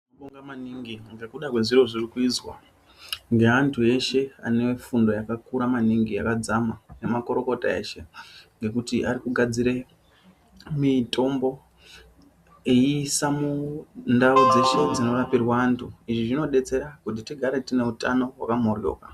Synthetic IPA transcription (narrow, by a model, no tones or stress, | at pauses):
oɓoŋɡamaniŋɡiŋɡe̞kuɗakwe̞ziɾo̞ʐirikuizwa̰ | ŋɡe̞antʰue̞ʃe̞a̰ne̞fundo̞jakakuɾamaniŋɡia̰kad͡zamane̞mako̞ɾo̞ko̞ta̰e̞̰ʃe̞ŋɡe̞kutiʔaɾikuɡʱad͡ziɾe̞ | mitʰo̞mbo̞ | eisamundaud͡ze̞ʃe̞d͡zino̞rapirwaaːntʰuiʐiʐino̞ɗe̞t͡se̞ɾakut̬itiɡʱaɾe̞tine̞utano̞wa̰kamo̞rjo̞̰ːka